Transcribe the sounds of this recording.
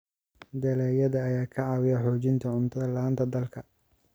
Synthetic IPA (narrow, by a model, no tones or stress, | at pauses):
d̪ɛlɛːjɐðɐːjaːkʰɐʕɑwɪjɐħɔːt͡ʃɪnt̪ʰɐʕʊnt̪ʰɐðɐlaːnt̪ʰɐd̪ɐlkʰɐ